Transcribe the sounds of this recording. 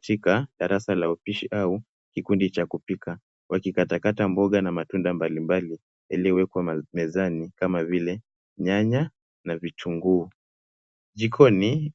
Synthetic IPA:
tikaɗaɾasalaupiʃiʔau | kikundit͡ʃakupikʰa | wʔakikatakatambɔɠanamatundambalimbali | jalijɔwɛkwamɛzanikamavilɛ | ɲaɲa | navitʰuŋɡuː | ʄikʰɔni

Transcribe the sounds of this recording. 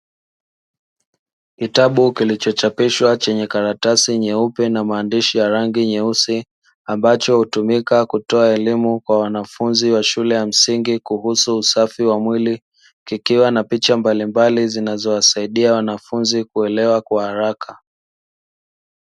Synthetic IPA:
kitaɓukilit͡ʃɔt͡ʃapiʃwat͡ʃɛɲɛkaɾatasiɲɛupɛnamaːndiʃijaɾaŋɡiɲɛusi | ambat͡ʃɔhutumikakutɔaɛlimukwawanafunziwaʃulɛjam̩siŋɡikuhusuːsafiwamwili | kikiwanapit͡ʃambalimbalizinazɔwasaiɗiawanafunzikuɛlɛwakwahaɾakʰa

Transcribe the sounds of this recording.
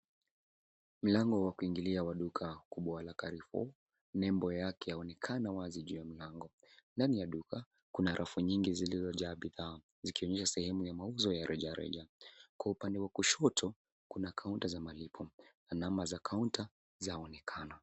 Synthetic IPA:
m̩laŋɡɔwakuiŋɡiliawaɗukʰakuɓwawalakaɾifɔ̰ | nɛmbɔjakɛjaɔnɛkʰanawaziʄujam̩laŋɡɔ | ndanijaɗuka | kunaɾʔafuɲiŋɡizilizɔʄaːɓiðaː | zikiɔɲɛʃasɛhɛmujamauzɔjaɾʔɛʄaɾɛ̰ʄakwaupandɛwakuʃɔtʰɔ | kunakʰauntazamalipʰɔnanamazakʰaunta | zaɔnɛkʰana

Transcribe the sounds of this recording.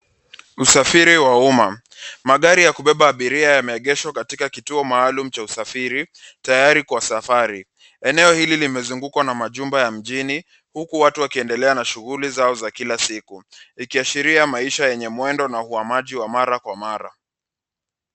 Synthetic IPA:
usafiɾiwauma | maɠaɾijakuɓɛɓaːɓiɾiajamɛɛɠɛʃwakatikakituɔmaːlum̩t͡ʃausafiɾitajaɾikwasafaɾi | ɛnɛɔhililimɛzuŋɡukwanamaʄumbajam̩ʄini | hukuwatuwakiɛndɛlɛanaʃuɣulizaɔzakilasikuikiaʃiɾiamaiʃajɛɲɛmwɛndɔnahuamaʄiwamaɾakwamaɾa̰

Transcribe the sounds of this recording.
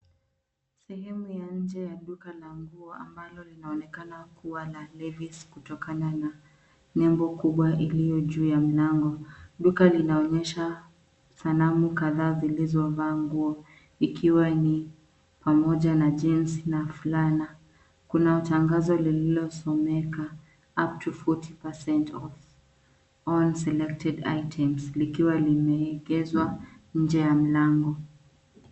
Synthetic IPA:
sɛhɛmujaɲ̩d͡ʒɛjaɗukalaŋɡuɔa̰mbalɔlinaɔnɛkanakuwalalɛviskutɔkanana | ɲɛmbɔkuɓwaʔilijɔʄuːjam̩laŋɡɔɗukalinaɔɲɛʃa | salamukaðaːzilizɔavaːŋɡuɔ | ikʰiwani | pamɔʄanaʄɛnsinafulana | kunataŋɡazɔlililɔsɔmɛka | ap̚tʰufɔtʰipɛsɛntɔv | ɔnsɛlɛk̚tʰɛda̰jtʰɛmslikiwalimɛːɡɛzwaɲ̩d͡ʒɛjam̩laŋɡɔ

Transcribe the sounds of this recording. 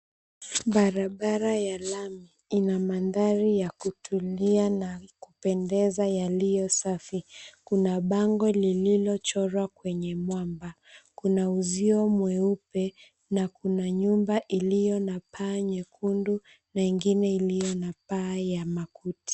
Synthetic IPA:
ɓaɾaɓaɾajalami | inamandaɾijakutʰulianakupɛndɛzajalijɔsafikunaɓaŋɡɔlililɔt͡ʃɔɾwakwɛɲɛmwamba | kunauziɔmwɛupɛ | nakunaɲumbaʔilijɔnapaːɲɛkʰundu | naiŋɡinɛilijɔnapaːjamakuti̥

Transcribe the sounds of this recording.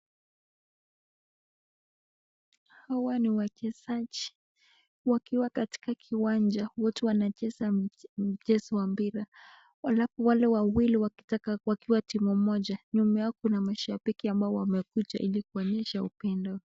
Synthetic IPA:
hawaniwakɛzaʄi | wakiwakati̥kakʰiwand͡ʒawɔtuwanat͡ʃɛsam̩d͡ʒɛsiwambiɾa | walafuwalɛwawiliwaki̥takawakiwatimumɔʄaɲumɛjakunamaʃabikiambaɔwamɛkut͡ʃaʔilikuɔɲɛʃaupɛndɔ

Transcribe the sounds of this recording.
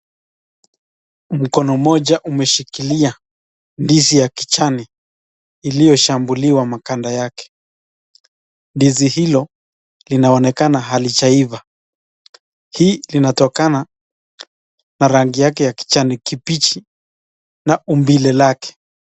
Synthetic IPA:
m̩kɔnɔmɔʄaʔumɛʃikilia | ndisijaki̥t͡ʃaniː | lijɔʃambuliwamakandajakɛ̥ | ndizihilɔ | linaɔnɛkanaɦalit͡ʃaiva | hiːlinatɔkana | naɾaŋɡijakɛjaki̥t͡ʃanikipit͡ʃi | naumbilɛlakɛ̥

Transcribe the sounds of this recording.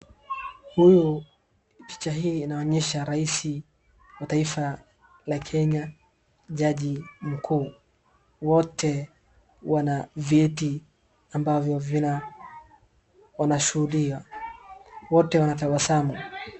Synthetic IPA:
huju | pi̥t͡ʃaɦiːnaɔɲɛʃaɾaisi | wataifa | lakʰɛɲa | ʄaʄim̩kʰuː | wɔtɛ | wanaviɛti | ambavjɔvina | wanaʃuhuɗiwa | wɔtɛwanatawasamɔ

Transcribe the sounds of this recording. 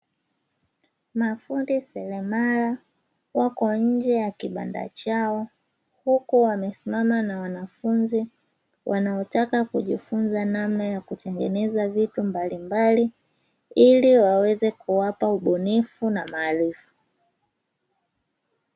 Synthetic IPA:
mafundisɛlɛmala | wakɔɲ̩d͡ʒɛjakiɓa̰nda̰t͡ʃaɔ | hukuwamɛsimamanawanafunzi | wʔanaɔtakakuʄifunzanamnajakutɛŋɡɛnɛzavitumbalimbali | iliwawɛzɛkuwapauɓɔnifunamaːlifu

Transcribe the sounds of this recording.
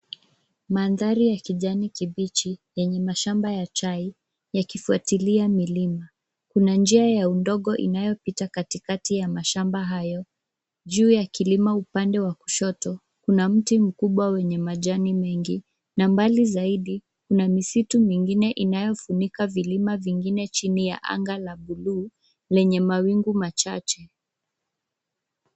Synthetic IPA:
maːnðaɾijakiʄanikiɓit͡ʃijɛɲɛmaʃambajat͡ʃai | jakifuatiliamilima | kunand͡ʒiajaundɔɠɔʔḭnajɔpitakatikatijamaʃambaɦajɔ | ʄuːjakilimaupandɛwaku̥ʃɔtɔ | kunam̩tim̩kuɓwawɛɲɛmaʄanimɛŋɡi | nambalizaiɗi | kunamisitumiŋɡinɛʔinajɔfunikavilimaviŋɡinɛt͡ʃinija̰ʔa̰ŋɡalaɓuluː | lɛɲɛmawiŋɡumat͡ʃat͡ʃɛ

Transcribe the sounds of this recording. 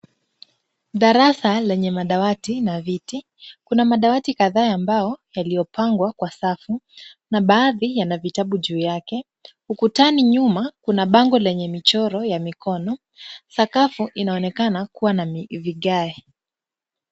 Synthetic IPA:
ɗaɾasalɛɲɛmaɗawatinaviti | kunamaɗawatikaðaːmbajɔjalijɔpaŋɡwakwasafunaɓaːðijanavitaɓuʄuːjakɛ | hukutaniɲumakunaɓaŋɡɔlɛɲɛmit͡ʃɔɾɔjamikʰɔnɔ | sakafuʔinaɔnɛkanakuwanamiviɠaɛ

